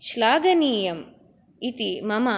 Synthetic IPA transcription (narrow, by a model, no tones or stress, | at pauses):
ʃlaːɡɐniːjɐm | it̪imɐma